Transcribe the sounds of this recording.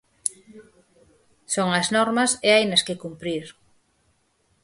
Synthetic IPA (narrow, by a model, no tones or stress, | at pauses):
soŋɐznɔɾmɐsɪajnɐskɪkumpɾiɾ